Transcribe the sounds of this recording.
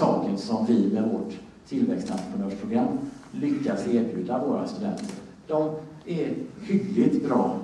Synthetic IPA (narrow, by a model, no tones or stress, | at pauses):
ɑːkənsɔmvɪmɛvoʈʰː | ɪlvɛkst̪ʰa̰nt̪ɾəpʊnøːʂpʰɾʊɡɾamːlʏkːaseːɾbjʉ̟ːd̪avoːɾa̰st̪ɵd̪ɛ̰nt̪ʰəɾ | d̪̥ɔmɛɾhʏɡlɪt̪bɾɑː